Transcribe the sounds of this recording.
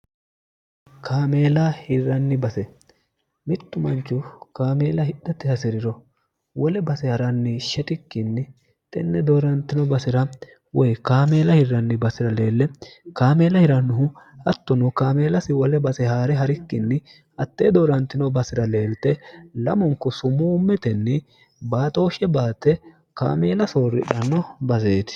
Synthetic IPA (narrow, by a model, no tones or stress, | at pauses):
kʰaːme̞ːlɐhɪrːɐnːɪbɐsɛ | mɪt̪ːʊmɐnt͡ʃːʊkaːme̞ːlɐhɪɗɐt̪ːɪhɐsɪɾɪɾɔ | wɔlɛbɐsɛhɐɾɐnːɪʃɛt̪ɪkːɪnːɪ | t̪ʼɛnːɛd̪oːɾɐnt̪ːɪnɔbɐsɪɾɐ | wɔjkaːme̞ːlɐhɪrːɐnːɪbɐsɪɾɐle̞ːlːɛkaːme̞ːlɐhɪɾɐnːʊɦʊɐt̪ːʊnɔkaːmeːlɐsɪwɔlɛbɐsɛhaːɾɛɦɐɾɪkːɪnːɪ | ɐt̪ːeːd̪oːɾɐnt̪ɪnɔbɐsɪɾɐle̞ːlt̪ɛlɐ̰mɔŋkːɔsʊmuːmːɛt̪ɛnːɪ | baːt̪ʼo̞ːʃɛbaːt̪ːɛ | ka̰ːmeːlɐsoːɾɪ̰ᶑɐnːɔbɐs̬eːt̪ɪ̥